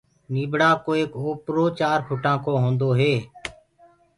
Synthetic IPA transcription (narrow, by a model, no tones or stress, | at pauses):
niːbɽaːkoːeːkoːpɾoːt͡ʃaːɾpʰʊʈãːkoːɦõːnd̪oːɦeː